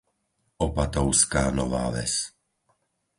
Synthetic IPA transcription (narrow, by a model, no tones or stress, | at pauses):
ɔpat̪ɔʊskaːnɔʋa̰ːʋɛ̰s